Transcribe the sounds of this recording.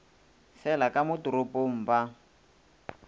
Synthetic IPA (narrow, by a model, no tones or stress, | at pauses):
fɛlakamʊtuɾʊpom̩ba